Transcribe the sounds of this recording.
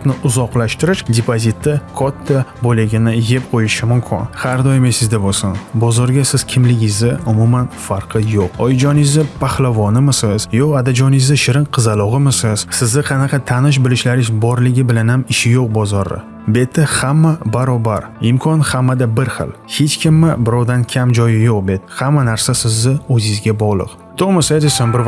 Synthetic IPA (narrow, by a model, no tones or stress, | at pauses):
tnɪʔʊzɒqlˠaʃt̪ɪɾɪʃd̪ʲepʰozit̪ʰːɪkʰɒt̪ʰːabolɪɡʲɪnɪje̞p̚qʰojɪʃɪmʊmkʲʰɪ̰nhaɾd̪ɒjɪmesɪzd̪abolsɪnbɒzɒɾɡʲasɪz̥kʲʰɪmlɪɡʲɪzɪʊmumanfaɾqʰɨjoqɒjɪd͡ʒɒnɪzɪpʰahlavɒnɪmɪsɪz̥jɒad̪ad͡ʒɒnɪzɪʃɪɾɪnqʰɨzalˠɒʁɨmɪsɪz̥sɪzːɪqʰɑnaqʰɑt̪ʰanɪʃ̬bɪlɪʃlaɾɪzbɒɾlɪɡʲɪbɪlanhamɪʃɪjoq̚bɒzɒɾɪ̰ | be̞t̪ʰːɪhamːabaɾɒbaɾɪmkʰɒnhamːad̪abɪɾχɨ̰lˠhet͡ʃkʲʰɪmːɪbɪɾɒwd̪ankʲʰamd͡ʒɒjɪjoq̚be̞t̪hamːanaɾsasɪzːɪɵzɪzɡʲabɒʁlˠɨ̰q | t̪ʰomasad̪esanbɪɾ